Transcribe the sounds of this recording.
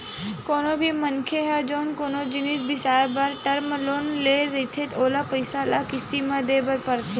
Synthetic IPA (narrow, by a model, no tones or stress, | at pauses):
koːnobʱimənkʰeɦad͡ʒoːnkoːnod͡ʒɪniːsbʱisaːbəɾʈəɾməloːnleɾit̪ʰet̪ʰoːlapəjsalakɪst̪imãd̪ebəɾpəɾt̪ʰe